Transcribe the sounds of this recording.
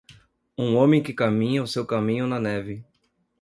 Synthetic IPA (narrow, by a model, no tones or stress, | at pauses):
ũõmẽj̃kɪkamĩɲɐʊsewkamĩɲʊnɐnɛvɪ